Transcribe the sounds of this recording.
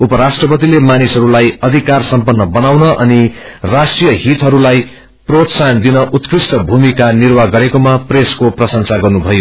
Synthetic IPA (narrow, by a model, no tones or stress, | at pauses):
upʌɾasʈrʌpʌt̪ilemanisɦʌɾulajʌd̪ʱikarsʌmpʌnːʌbʌnawnʌʔʌnirasʈrijʌɦit̪ɦʌɾulaj | prot̪sand̪inʌʔut̪krisʈʌbʱumikanirwaɡʌɾekomapreskoprʌsʌŋsaɡʌrnubʱʌjo